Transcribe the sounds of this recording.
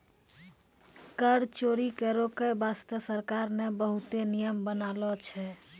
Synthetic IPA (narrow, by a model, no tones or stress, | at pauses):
kəɾt͡ʃoɾikɛɾokebast̪əsəɾkaɾnebəɦut̪enijəmbənalɔt͡ʃʰɛ